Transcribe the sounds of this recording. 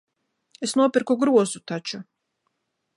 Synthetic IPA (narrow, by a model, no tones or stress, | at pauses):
esnopɛɾkoɡɾuozut̪at͡ʃo